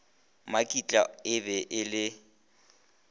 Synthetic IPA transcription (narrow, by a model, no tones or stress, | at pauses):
makʼit͡ɬʼa̰ɪbɛʔɪlɪ